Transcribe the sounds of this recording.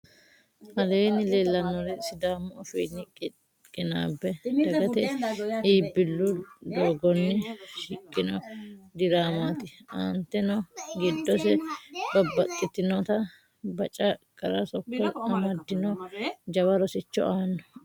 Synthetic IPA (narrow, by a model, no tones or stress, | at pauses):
ʔɐleːnɪleːlːɐnːɔɾɛsɪd̪aːmːɔɔfɛjnːɪkʼɪ | kʼːɪna̰ːbːɛɐɡɐt̪ɛʔiiːbːɪlːʊd̪oːɡɔnːɪʃɪkʼːɪnɔd̪ɪɾaːmaːt̪ɪɐ̰nt̪ːɛnɔɡɪd̪ːɔsɛbɐbːɐt̪ʼːɪt̪ːɪnɔt̪ɐ | bɐt͡ʃʼɐkʼɐɾɐsɔkːɔɐmɐd̪ːɪnɔd͡ʒɐbɐɾɔsɪt͡ʃːɔ̰ʔaːnːɔ